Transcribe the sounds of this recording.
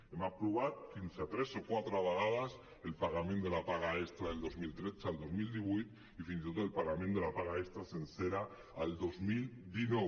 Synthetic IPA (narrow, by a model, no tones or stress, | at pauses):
emapɾoβaðfinsat̪ɾe̞sokwat̪ɾoaβaɣaðas | e̞lpaɣamenelapaɣaest̪ɾaðe̞ld̪o̞zmilt̪ɾesald̪o̞zmild̪iβujt̪ | ifinsit̪oðoelpaɣamẽnt̪elapaɣae̞st̪ɾasenseɾaː | ld̪o̞zmild̪inwe